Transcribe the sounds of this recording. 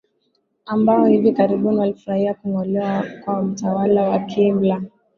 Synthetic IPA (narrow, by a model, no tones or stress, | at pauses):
ambaɔhivikaɾiɓuniwalifuɾahiakuŋɔlɛwakwam̩tawalawakʰimbla